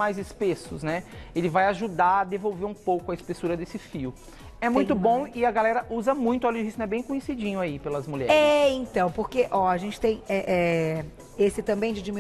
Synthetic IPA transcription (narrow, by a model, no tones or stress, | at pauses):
ajzɪspesʊsnɛelɪvajaʒud̪aɾɐd̪evowveɾũpowkʊɐɪspesuɾɐd̪esɪfiʊ | ɛmũj̃t̪ʊbõw̃ɪɐɡalɛɾɐʔuzɐmũj̃t̪ʊɔluɪʒisñɛbẽj̃kõɲesid͡ʒĩɲʊaipelɐzmuʎɛ̰ɾɛẽt̪ɐ̃w̃poɾkeʔɔaʒẽnt͡ʃɪ̥t̪ẽj̃ɛʔɛ | esɪt̪ɐ̃mbẽj̃d͡ʒɪd͡ʒimi